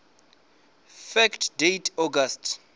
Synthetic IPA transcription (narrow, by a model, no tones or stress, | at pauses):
fɛktʰdejtʰɔɡastʰ